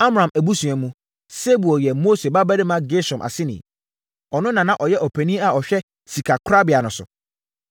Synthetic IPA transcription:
a˦mɾã˨mæ˨bu˦sũ˨ɛ̃˨mũ˨ | se˦bu˨ɔ˨jɛ˨mo˦se˨ba˦bæ˦ɾɪ˦mã˦ɡe˦sɔ̃˨mʔa̰˨sɪ˦nḭ̃˨ | ɔ˨nʊ̃˦nã˨nã˦ʔɔ˨jɛ˦ʔɔ˨pʰæ˨nĩ˦a˨ɔ˨ɕᶣɛ˦ | si˨kʰa˨kʰɾa˦bɪ˨a˨nʊ̃˨sʊ̰˨

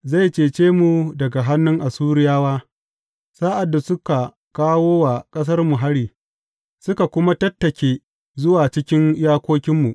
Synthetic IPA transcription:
za˦˨jt͡ʃeː˨t͡ʃeː˦mu˨dɐ˨ɡa˨ɦa˦nːʊ˦ŋʔa˨suː˦ɾɪ˦jaː˦waː˦ | saː˦ʔa˨dːa˨sʊ˦ka˨ | kaː˦woː˦wa˨kʼɐ˦s̬ɐ˦rmu˨ɦa˦ɽiː˨ | sʊ˦ka˨kʷʊ˦ma˦tɐ˦tːɐ˨kʲeː˦ | zʊ˦waː˨t͡ʃɪ˦kʲɪ˦njaː˦kʷoː˦kʲɪ˦mːu˨ʔ

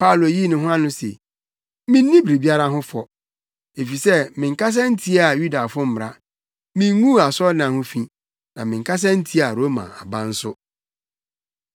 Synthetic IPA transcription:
pa˦˨lo˨ji˦nʊ̃˦ɦʊ̃˦a˦nʊ̃˦sḛ˨ | mĩ˦nː˦ĩ˦bi˨ɾi˨bi˦a˦ɾa˦ɦʊ̃˦fɔ˨ | e˨fi˨sɛ˦˨mɪ̃˨ŋ̩˨kʰa˦s̬ã˦n̩˦tʰi˦a˨ju˦da˨fʊ̃˦m̩˦m˨ɾa˦ | mĩ˦ŋũ˦a˨sɔ˦nã˨hʊ̃˦fĩ˨ | nã˨mɪ̃˨ŋ̩˨kʰa˦s̬ã˦n̩˦tʰi˦a˨ɾo˦mã̰˨a̰˨bã˦n̩˦sʊ˦

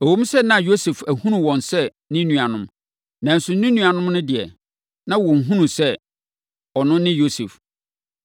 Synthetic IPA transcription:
o˨wo˦m˦sɛ˦nã˦˨jo˦se˨fæ˨hũ˦nũ˨wɔ̃˨nsɛ˦˨ | nɪ̃˦nũ˨a˨nʊ̃˦m | nã˨n̩˨sʊ˨n̩˦nĩ˦nũ˨a˨nʊ̃˦mnʊ̃˦dɪ˨ɛ̰˨ | nã˦wɔ̃˨n̩˨ɦũ˦nũ˨sɛ˦ | ɔ˨nʊ̃˦nɪ̃˦jo˦se˨f

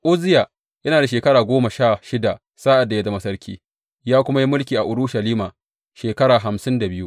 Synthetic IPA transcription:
ʔʊ˦zɪ˦jaː˨ | jɐ˦naː˨da˨ʃeː˨kɐ˦ɽaː˨ɡʷoː˦ma˨ʃaː˦˨ʃɪ˦da˨ | saː˦ʔa˨dːa˨ja˦da˨mɐ˦sɐ˦ɾkʲʰḭː˦ | jaː˦kʷʊ˦ma˦ji˦mʊ˦lkʲiː˨ʔa˨ʔʊ˨ɽʊ˦ʃa˨liː˦maː˨ | ʃeː˨kɐ˦ɾaː˨ɦa˨msɪ˦nda˨bɪ˦ju˦ʔ

